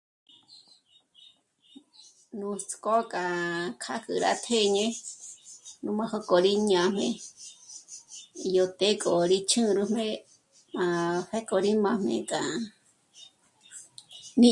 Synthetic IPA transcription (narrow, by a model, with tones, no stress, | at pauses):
nũ˧t͡sko˦kʼa˨kʰa˦kɨ˧ɾa̰˧t̪ʰe˦˨ɲẽ˦ | nũ˧˦mã˧ho˦ko˨ɾi˦ɲ˧ã˨mẽ˧ | jo˧˨t̪e˦kʼo˨ɾi˦t͡ʃʰɨ̃˦ɾɨ˧mẽ˦ | mã˧ɸe˦ko˧ɾi˦mã˧mḛ̃˧kʼa˨ | nĩ˦